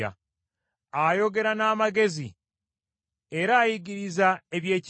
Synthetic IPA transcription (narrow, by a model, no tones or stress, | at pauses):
a̰ | ajo̞ɡe̞ɾanaːmaɡe̞zḭ | eɾaːjiɡiɾizae̞βje̞ːc